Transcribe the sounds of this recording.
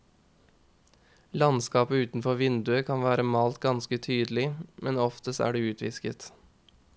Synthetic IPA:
lɑnskɑːpəʉːt̪n̩fɔʋɪnd̪ʉəkʰɑnʋæːɾəmɑːlt̪̚ɡɑnskət̪ʰyːd̪lɪmɛnɔft̪əsæ̰ːɖeːʉːt̪ʰʋɪ̰skət̪

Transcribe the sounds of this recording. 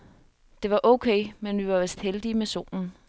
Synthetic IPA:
d̥e̝ʋɑ̈ʔɔʊkʰeɪmenʋiʋɑ̈ʋesd̥held̥imeso̝̰ːnn̩

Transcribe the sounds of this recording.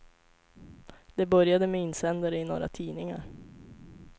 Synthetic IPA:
d̪̥ɛbœɾjad̪əmɛɪnsɛnd̪aɾəɪno̰ːɾa̰t̪ʰiːnɪŋa̰ɾ

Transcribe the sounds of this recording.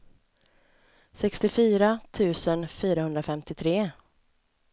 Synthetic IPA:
sɛkst̪ɪfyːɾat̪ʰʉ̟ːsənfyːɾahɵnd̪ɾafɛmt̪ɪt̪ʰɾeː

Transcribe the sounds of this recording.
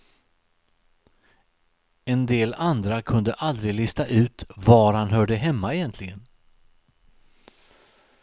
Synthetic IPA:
ɛnd̪eːland̪ɾakʰɵnd̪əʔald̪ɾɪɡlɪst̪aʔʉ̟ːt̪vaɾhanɦœːɖəɦɛmːaɛjɛnt̪ʰlɪɡən

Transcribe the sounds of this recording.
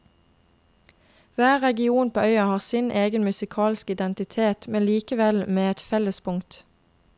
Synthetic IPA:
ʋæːʁɛɡɪuːnpʰoːœʏɑhɑːʁsɪnʔeːɡənmʉsɪkʰɑːlskɪd̪ɛnt̪ɪt̪ʰeːt̪mɛnliːkəʋɛlmeːɛt̪fɛləspʰʊŋt̪

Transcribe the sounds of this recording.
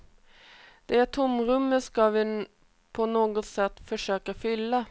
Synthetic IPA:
d̪̥ɛæt̪ʰʊmɾʉmːəskɑʋɪ | pʰɔnoːɡɔsɛt̪ːfɔʂøːkəfʏlːə

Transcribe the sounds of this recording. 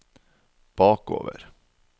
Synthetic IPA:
b̥ɑːko̰ːʋə̰ɾ

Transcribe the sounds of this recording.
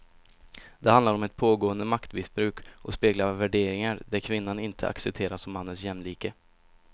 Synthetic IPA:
d̪̥ɛhand̪laɾɔmɛt̪̚pʰoːɡoːənd̪əmakt̪mɪsbɾʉ̟ːkʔɔspeːɡlavæɖeːɾɪŋaɾd̪æɾkʰvɪnːanɪnt̪ʰə̰a̰ksɛp̚t̪ʰeːɾasɔmːanːənsjɛmːliːkə

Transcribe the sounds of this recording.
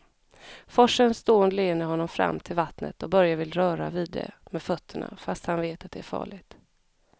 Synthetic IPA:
fɔʂənst̪oːənd̪leːnːəɾɦɔnːɔmfɾa̰mːt̪ʰɪlvat̪nə̰t̪ɔbœɾjavɪlɾœːɾa̰vid̪ːɛ̰mɛfœt̪ʰːəɳa̰fast̪hanveːt̪at̪̚d̪ɛæfɑ̰ːɭɪɡt̪

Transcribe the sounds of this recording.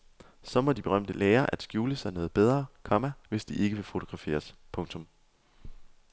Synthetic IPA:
sɒ̽mɒ̽d̥ib̥e̝ʁɶm̰d̥əleːɐʔæd̥sɡ̥juːləsænɔ̽ːð̞̩ˠb̥eð̞ˠʁɐːkʰɒ̽mæʋe̝sd̥iʔe̝ɡ̥əʋe̝fo̝t͡sʰoɡ̥ʁɑ̈fe̝̰ːɐspʰɔ̽ŋt͡sʰɔ̽m

